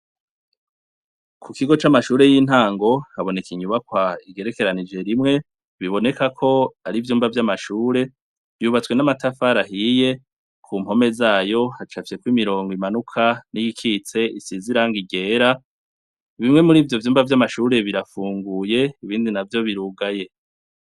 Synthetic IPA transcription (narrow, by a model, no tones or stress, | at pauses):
kʰukiɡo̞t͡ʃamaʃuːɾe̞jiːn̥haːŋɡo̞haβo̞nekiɲuβakwaiɡe̞ɾe̞ke̞ɾanid͡ʒe̞ɾimŋe̞ | βiβo̞nekakʰo̞aɾivjuːmbvavjamaʃuːɾe̞ | vjuːβat͡swe̞namatafaɾahije̞ | kʰumho̞me̞zaːjo̞hat͡ʃafi̥sekwuimiɾo̞ːŋɡoimanukʰaniɡikʰit͡se̞isiziɾaŋɡiɡe̞ːɾa | βimŋe̞muɾiːvjo̞vjuːmvavjamaʃuːɾe̞βiɾafuːŋɡuːje̞iβiːndinavjo̞βiɾuːɡaje̞